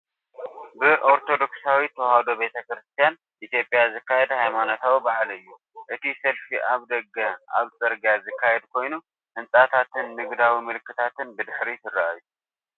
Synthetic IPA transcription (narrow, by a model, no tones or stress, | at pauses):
bɨʔo̞ɾt̪ʰo̞d̪o̞ksawit̪ʰɐwhad̪o̞be̞t̪ʰɐkɾɨst̪ʰijan | ʔit̪jo̞pʼjazɨkːajɛd̪hajmanot̪ʰawibaʕalɨjːu | ʔɨt̪isɐlfiʔaβd̪ɐɡːɐʔa̰βt͡sʼɐɾɡazɨkʰːajɛd̪kʰo̞jnu | ʔɨnsʼat̪ʰat̪ʰɨnːɨɡd̪awimɨlɨkːɨt̪ʰat̪ɨnbɨd̪ɨħɾit̪ɨrːa̰ʔajːu